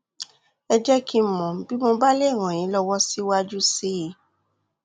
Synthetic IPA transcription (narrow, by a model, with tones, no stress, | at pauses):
ɛ˧d͡ʒɛ˦ki˧m̩˨mɔ̃˨m̩˨bi˨˦mo˧ba˦le˦˨w̃ã˨j̃ĩ˨˦lɔ˧wɔ˦si˦wa˦d͡ʒu˦si˦i˧˦